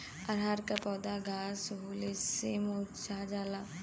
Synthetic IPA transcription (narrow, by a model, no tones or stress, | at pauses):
aɾɦaɾkapɔːd̪aɡaːsɦuːlesemot͡ʃaːd͡ʒaːla